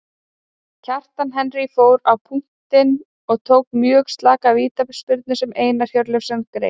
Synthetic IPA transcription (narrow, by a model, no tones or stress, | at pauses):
cʰar̥t̪anɦɛnrifoːwɾawpʰuŋ̥t̪ɪn | ɔɣt̪ʰoːwkmjœːɣst̪laːkaviːt̪apspʏɾt̪̚nʏsɛmeːjnaɾ̥çjœɾlʏfsɛnkɾḛj